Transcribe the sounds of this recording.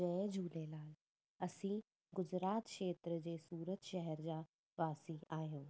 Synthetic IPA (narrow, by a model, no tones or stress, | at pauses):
ɛ̃ːd͡ʑʱuːlelaːl | ɐsĩː | ɡʊd͡ʑɾaːt̪ʃeːt̪ɾəd͡ʑeːsuːɾət̪ʃɛɦɛɾd͡ʑaː | ʋaːsiaːɦijoː